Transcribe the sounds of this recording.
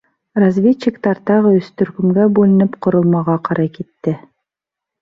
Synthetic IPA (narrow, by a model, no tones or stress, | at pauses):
razvʲet͡ɕːɪkt̪ɑɾt̪ɑʁɤɵ̆st̪ɵ̆ɾkɵ̆mɡæbʉlɘ̆nɘpqŏɾŏlˠmɑʁɑqɑɾʔɑjkit̪ːɘ